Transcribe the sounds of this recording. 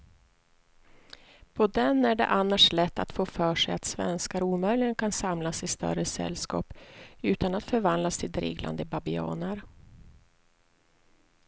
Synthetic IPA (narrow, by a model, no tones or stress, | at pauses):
pʰɔd̪ɛnæɖɛ̰ʔanːaʂlɛt̪ːa̰t̪foːfœːʂɛjat̪svɛ̰nskaɾuːmœjlɪɡənkʰansamlasɪst̪œ̰rəsɛ̰lːskɑ̰ːpʉ̟ːt̪anat̪fœɾvand̪last̪ʰɪld̪ɾɪ̰ːɡla̰nd̪əbabɪɑ̰ːnəɾ